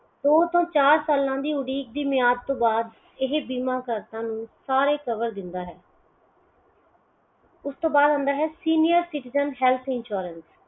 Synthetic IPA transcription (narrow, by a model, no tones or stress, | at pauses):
d̪oːt̪õːt͡ʃaːɾsaːlãːd̪iːʊɽiːk̚d̪iːmɪjaːd̪̚t̪õːbaːd̪ | ɪɦbiːmãːkəɾt̪ãːnũːsaːɾeːkəʋəɾd̪ɪnd̪aːɦɛː | ʊst̪õːbaːd̪ɦə̃ːnd̪aːɦɛːsiːnɪjəɾsɪʈɪzənɦɛːlt̪ʰɪnʃuːɾəns